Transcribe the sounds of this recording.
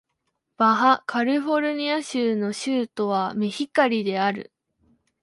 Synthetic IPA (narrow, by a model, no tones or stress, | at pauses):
b̥aɦakaɾiɸo̞ɾɯ̟ɲ̟iaɕɨːno̞ɕɨːt̪o̞βamʲiçikaɾʲid̪e̞aɾɯ̰